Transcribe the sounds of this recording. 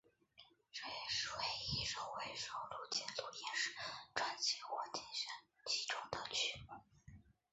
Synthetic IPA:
ʈ͡ʂɤ˥˧jɛ˨˩ʂɻ̩˥˩we˧˩ɪi˥ʂo˥˩ʊwe˧˥ɪʂo˧˥˩ʊlu˥˧˩t͡ɕjɛ˥˩nlu˥˩jɛ˥nʂɻ̩˥˩˦ʈ͡ʂwa˥nt͡ɕʰi˧˩xwɔ˥t̪ʰjɛ˥˩nɕa˥n | t͡ɕi˧˥˩ʈ͡ʂʊ˥ŋd̪ə˨t͡ɕʰy˥mu˥˩˦

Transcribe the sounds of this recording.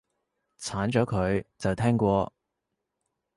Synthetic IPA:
t͡sʰaː˨˥nt͡ʃɔː˨˥kʰɵ˨˧ɥt͡sɐ˨wt̪ʰɛː˥ŋkʷɔː˧

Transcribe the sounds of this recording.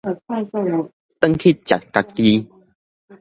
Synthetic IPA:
t̪ə˦ŋkʰi˦˨t̚t͡ɕa̰˨˩t̪̚ka˧k̚t̪i˦

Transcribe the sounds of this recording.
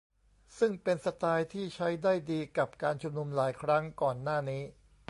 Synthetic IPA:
sɯ˥˩ŋpe˧nsa˧t̪aː˧jt̪ʰiː˥˩t͡ɕʰa˦˥jdaː˥˩jdiː˧ka˨˩p̚kaː˧nt͡ɕʰu˧mnu˧mlaː˩˦jkʰɾa˦˥ŋkɔː˨˩nːaː˥˩niː˦˥

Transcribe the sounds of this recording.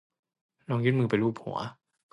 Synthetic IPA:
lɔː˧ŋjuː˥˩n̚mɯː˧pa˨jɾuː˥˩p̚hṵ˩˦ɐ̰

